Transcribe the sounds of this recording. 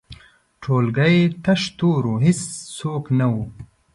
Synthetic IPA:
ʈʰoːlɡɐjt̪ɐʃt̪oːɾuɦisːoːknawu

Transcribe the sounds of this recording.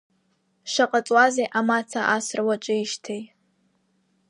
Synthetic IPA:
ʂʷaqʼat͡sʼwazejʔamat͡sʰaʔasrwat͡ʃʼɨiʃtʰejʼ

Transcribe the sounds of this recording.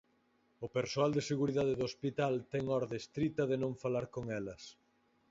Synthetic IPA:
ʊpeɾsoald̪eseɣuɾiðaðeðoospit̪alt̪ɛŋɔɾðest̪ɾit̪ɐðenõɱfalaɾkoŋɛlɐs

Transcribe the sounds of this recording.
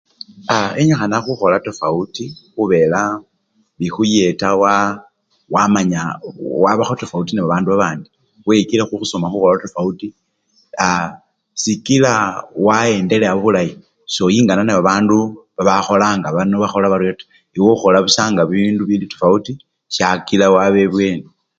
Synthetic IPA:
aeɲaxanaxuxo̞latofautixuβe̞la | βixuje̞tawa | wamaɲawaβaxotofautineβaβaːnduβaβaːndi | wekilexuxusomaxuxolatofauti | a | sikilawae̞ːnde̞leaβoβulaji | so̞jiːŋɡananeβaβaːnduβaβaxo̞laːŋɡaβanoβaxo̞laβaɾwetḁ | iwoxo̞laβusaːŋɡaβinduβilitofauti | ʃakilawaβeβwe̞ːno

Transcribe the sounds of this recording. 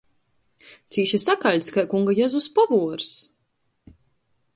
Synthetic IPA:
t̪siːʃisakaʎʲskajkuŋɡajɛzuspavuɔɾs

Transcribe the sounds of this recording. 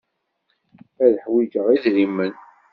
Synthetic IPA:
æðəħwid͡ʒəʁiðɾimːən

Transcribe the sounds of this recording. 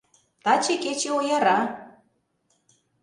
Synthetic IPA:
t̪ɑt͡ɕeket͡ɕeojɑɾɑ

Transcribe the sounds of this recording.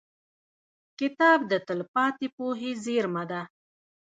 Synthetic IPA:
kɪt̪ɑːb̚d̪ət̪əlpɑt̪ipoɦezeɾmad̪a

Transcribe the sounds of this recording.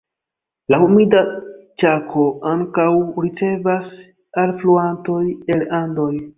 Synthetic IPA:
lahumidat͡ʃakʰo̞aŋkawɾit͡se̞vas | alfluanto̞je̞landoj

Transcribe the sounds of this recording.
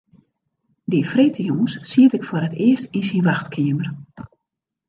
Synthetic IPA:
difretʰəjoŋəssiətɪkfoɾətɪəstinsinʋaxtkʰɪəmər

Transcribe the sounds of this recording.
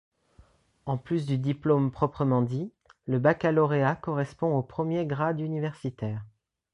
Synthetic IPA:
ɑ̃plys̬d̪yd̪iplompχɔpχəmɑ̃d̪i | ləbakalɔʁeakɔʁɛspɔ̃opχəmjeɡʁad̪ynivɛʁsit̪ɛːʁ

